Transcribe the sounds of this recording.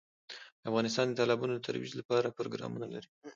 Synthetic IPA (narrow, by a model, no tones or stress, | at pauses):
d̪əafɣɑnɪst̪ɑnd̪ət̪ɑlɑbɑnod̪ət̪ʰa̰ɾwḭzlapɑɾapɾo̰ɡɾɑ̰munalaɾi